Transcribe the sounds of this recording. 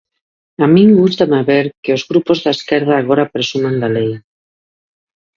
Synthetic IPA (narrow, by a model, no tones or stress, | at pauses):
amĩŋɡust̪amaβeɾkeozɣɾupozðaeskɛɾðaːɣ̞oɾapɾesumãnd̪alej